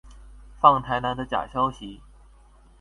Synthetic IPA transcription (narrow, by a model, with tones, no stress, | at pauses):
fɑ˥˩ŋt̪ʰa˧˥ɪna˧˥nd̪ə˧t͡ɕja̰˨˩ɕjɑ˥ʊɕi˧˥